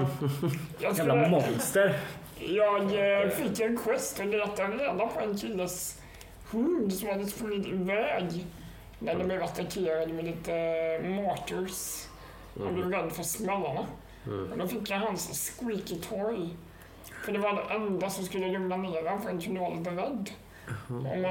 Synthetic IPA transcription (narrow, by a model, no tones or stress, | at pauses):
jɑt̪ʰɾuːɾɔst̪ə | jɑːɡfɪkːɛnkʰwɛst̪ɔləɾɛt̪ːaɾeːd̪apʰɔɛnkʰɪlːəs | hɵnd̪sɔmad̪əsfɔiːt̪əvɛːɡ | næɖdɛblɛvat̪ːakʰeːɾad̪mɛliːt̪əmɑːt̪əɹs | ha̰nblɛvɾɛd̪ːfœsmɛlːaɳa | ɔd̪ɔfɪkːjaɦansskwiːkɪt̪ʰɔɾj | fəɖɛvaɖɛʔɛnd̪asɔmskɵlːəlɛmnameːɾaanfœɾɛnkʰɪnalɪt̪əɾɛd̪ː | ɔ̰m